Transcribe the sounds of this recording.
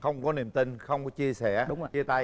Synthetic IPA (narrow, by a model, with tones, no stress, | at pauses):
xə˧wŋ͡mkɔ˨˦ni˨˩əmt̪ï˧ŋxə˧wŋ͡mkɔ˨˦t͡ɕi˧əsɛ˧˩ɗʊ˨˦ŋ͡mi˧ət̪a˧